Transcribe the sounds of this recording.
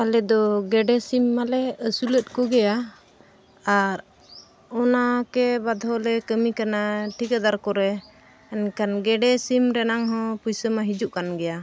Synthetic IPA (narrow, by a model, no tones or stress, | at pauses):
alɛd̪ɔɡɛɖɛsimːalɛəsulət̪̚ˀkɔɡɛja | aɾ | ɔnakɛbad̪ʱɔlɛkəmikanaʈʰikad̪aɾkɔɾɛː | nkanɡɛɖɛsimɾɛnaŋɦɔ̃pujsəmaɦid͡ʒuʔkanɡɛja